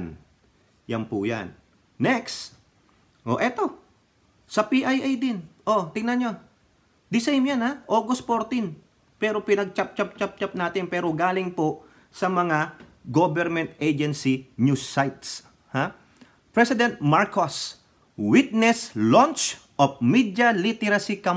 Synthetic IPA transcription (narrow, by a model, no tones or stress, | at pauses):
n | jɐnpuja̰nː | ɛks | ʔoʔɛt̪o̞ | sɐpiʔajʔajd̪ɪnʔot̪ɪŋnɐnɲo̞ | d̪ɪsɛjɪmjanhaʔo̞ːɡost̪̚foɾt̪in | pɛːɾo̞pɪnɐɡ̚t͡ʃap̚t͡ʃap̚t͡ʃap̚t͡ʃap̚naːt̪ɪnpɛːɾoɡaːlɪŋpo | sɐmɐŋaɡobɛɾmɛ̃nt̪ʔejd͡ʒɛnsinjusajt̪s | ha | pɹɛsɪd̪ɛnt̪̚maɹkos | wit̪̚nɛslont͡ʃ | ʔofmid̪jɐlit̪ɛɾɐsikam